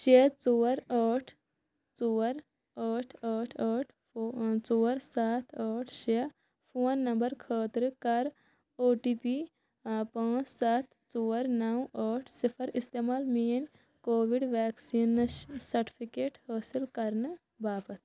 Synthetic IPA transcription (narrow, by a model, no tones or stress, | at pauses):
t͡ʃeːt͡ʃoːɾəːʈʰ | t͡soːɾ | əːʈʰəːʈʰəːʈʰː | t͡soːɾsaːt̪ʰəːʈʰt͡ʃe | pʰoːnːɐ̃mbəɾkʰəːt̪ɾkɐɾ | oːʈiːpi | pãːt͡ʃsaːt̪ʰ | t͡ʃoːɾnɐwəːʈʰsipʰəɾɪst̪eːmaːlmiːn | koːʋiɖʋɛːksiːnːsɐɾʈi̥pʰikeːʈhəːsɪlkɐɾn | baːpət̪